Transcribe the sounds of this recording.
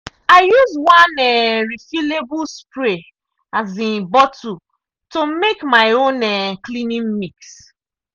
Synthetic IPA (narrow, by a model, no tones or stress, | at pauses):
ajuzwãnɛɾifilebuspɾe | azĩnbɔtu | tomekmaɪonɛklinĩmmiks